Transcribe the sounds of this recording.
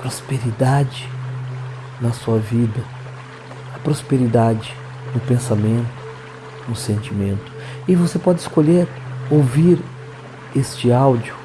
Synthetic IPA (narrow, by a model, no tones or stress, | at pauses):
pɾospeɾid̪ad͡ʒɪ | nɐsuɐvid̪ɐ | ɐpɾospeɾid̪ad͡ʒɪ | nʊpẽsamẽnt̪ʊ̥ | nʊsẽnt͡ʃimẽnt̪ʊ̥ | ɪvosepɔd͡ʒɪskoʎeɾ | owviɾ | est͡ʃɪawd͡ʒiʊ